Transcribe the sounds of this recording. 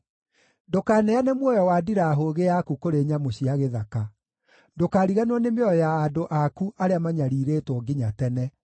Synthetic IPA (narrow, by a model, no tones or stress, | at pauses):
dokaːnɛanemwɔjɔwadiɾaːɦoɣejakukoɾeːɲamoɕiaɣeðaka | dokaːɾiɣanɔnemeɔɔjaːdoʔakuʔaɾeamaɲaɾiɾeːtwɔɡiɲatɛnɛ